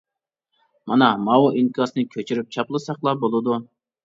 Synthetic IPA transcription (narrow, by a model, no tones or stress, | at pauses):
mɑnɑmɑwuʔinkʰɑsɨnɨkʲʰøt͡ʃʰyɾyp̚t͡ʃʰɑplˠɨsɑqlˠɑbolˠɨd̪u